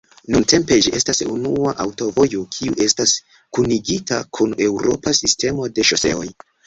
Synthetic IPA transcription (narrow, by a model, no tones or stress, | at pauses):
nunte̞mpe̞d͡ʒiʔe̞stasunuaʔawto̞vo̞jokʰiuʔe̞stas | kuniɡitakʰunewɾo̞̰pasiste̞mo̞de̞ʃo̞se̞̰o̞̰j